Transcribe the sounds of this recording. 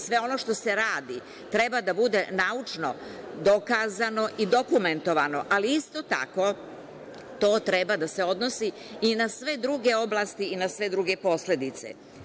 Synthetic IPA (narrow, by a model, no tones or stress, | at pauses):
sʋe̞o̞no̞ʃt̪o̞se̞ɾaːd̪i | t̪ɾe̞bad̪abud̪e̞naut͡ʂno | d̪o̞kaːzano̞ʔid̪o̞kume̞nt̪o̞ʋano̞ʔaliist̪o̞t̪a̰ko̞ | t̪o̞ːt̪ɾebad̪ase̞o̞d̪nosiː | nasʋe̞d̪ɾuɡe̞o̞blˠast̪iːnasʋe̞d̪ɾuɡepo̞sle̞d̪it̪sḛ